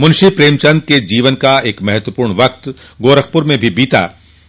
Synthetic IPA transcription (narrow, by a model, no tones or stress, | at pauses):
mʊ̃nʃipɾeːmt͡ʃɐ̃nd̪̚ked͡ʒiːʋənkaeːkmɐɦɛt̪ʋəpuːɾɳʋɐkt̪ | ɡoːɾək̚ʰpʊɾmẽbʱibiːt̪a̰ː